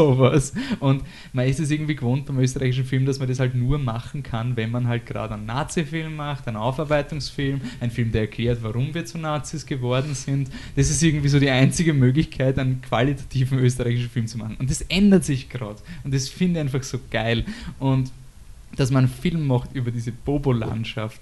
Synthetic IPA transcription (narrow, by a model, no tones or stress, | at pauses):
soːvasʔʊnt | maɪstɛs̬ɪɐɡŋ̩tv̥iːɡəvoːnt̚b̥aɪmøːs̬təʁaɪçɪʃ̬n̩fɪlmd̥asmɐndɛshaltnuːɐmaχn̩kʰanvɛnmanɦalt̚ɡ̥ʁa̰ːdəæɪnːa̰ːt͡sifɪlmːaχtæɪnʔa̰ʊfaɐbæɪtʊŋsfɪlmʔæɪnfɪlmdeɐɛɐkʰl̥eːɐtvaʁʊmviːɐt͡suɐnaːt͡sisɡ̥əvɔɐdn̩zɪntd̥asɪstɪɐɡŋ̩tv̥iːzoːdiːaɪnt͡sɪɡəmøːɡlɪçkʰaɪtæɪnənkʰv̥alitʰḁtʰiːvn̩øːstəʁaɪçɪʃn̩fɪlmt͡suma̰χn̩ʊntd̥asʔɛndɐtsɪçɡ̥ʁa̰ːdʊntɛsfɪndəçæɪnfaxsoːɡ̥aɪlʔʊnt | d̥asmannfɪlmːɔχxtʔyːbɐdiːzəb̥oːbola̰ntʃaft